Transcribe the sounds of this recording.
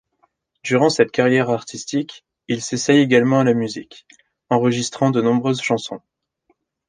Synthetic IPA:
d̪yʁɑ̃sɛt̪kaʁjɛʁaʁt̪ʰist̪ik | ilsesɛjeɡalmɑ̃alamyzik | ɑ̃ʁəʒist̪χɑ̃d̪ənɔ̃bʁøzʃɑ̃sɔ̃

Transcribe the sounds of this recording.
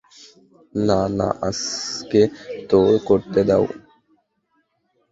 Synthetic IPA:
nana̰ʔəsket̪oːɽkoɾt̪ed̪aṵ

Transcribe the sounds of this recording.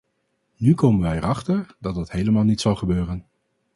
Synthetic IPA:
nykowmənʋɛjərʔɑχtəɹdɑt̚dɑtɦejləmaːlˠnitsɑlˠχəbøːrən

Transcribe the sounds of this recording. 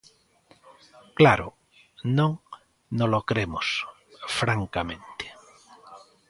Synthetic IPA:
klaɾʊ̰ | nõŋ | nolokɾemʊs | fɾaŋkamẽnt̪ɪ̥

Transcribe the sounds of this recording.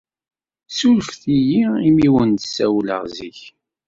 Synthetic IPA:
sulfθijiimiwənt̪əsæwlə̰ʁziç

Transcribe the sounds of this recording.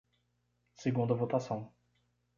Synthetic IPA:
seɡũd̪ɐvot̪asɐ̃w̃

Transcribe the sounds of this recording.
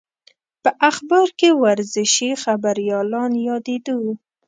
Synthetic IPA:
pəʔaxbɑɾkewaɾzɪʃixabaɾjɑlɑnjɑd̪ed̪o

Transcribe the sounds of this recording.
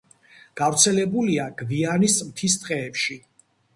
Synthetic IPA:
ɡ̥avɾt̪sʰɛlɛbuliaɡ̥vianismt̪ʰist̪ʼqʼɛːpʃi

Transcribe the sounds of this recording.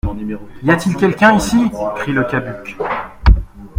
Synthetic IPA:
neijat̪ilkʲɛlkʲɛ̃isikχiləkʲabykʲ

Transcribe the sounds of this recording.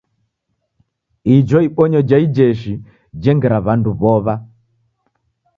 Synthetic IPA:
id͡ʒɔiɓɔɲɔd͡ʒaid͡ʒɛʃi | d͡ʒɛŋɡɛɾaβanduβɔβa

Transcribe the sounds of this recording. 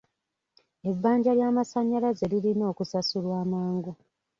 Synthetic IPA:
e̞βbaːɲɟaljaːmasaɲːalazelilino̞ːkusasulwaːmaːŋɡu

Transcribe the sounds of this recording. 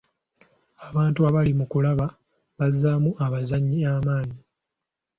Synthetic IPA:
aβaːntuaβalimukulaβa | βazːaːmuʔaβazaɲːiaːmaːni

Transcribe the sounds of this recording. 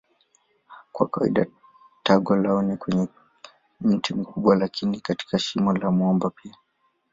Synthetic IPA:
kwa̰kawa̰ḭɗa | taɡɔlaunikwɛɲɛ | m̩timikuɓwalakinikati̥kaʃimɔlamwɔmbapia

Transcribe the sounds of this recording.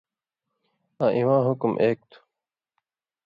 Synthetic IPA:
aːʔiwãːɦukumʔeːk̚t̪ʰu̥

